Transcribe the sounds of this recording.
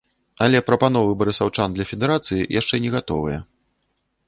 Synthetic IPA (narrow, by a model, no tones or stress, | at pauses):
ɐlʲɛpɾɐpan̪ɔvɨbɐɾɨsawt͡ʂand̪lʲɐfʲɛd̪ɛɾat̪sɨjḭjʔaʂt͡ʂɛnʲɛɣat̪ɔ̰vɨjɛ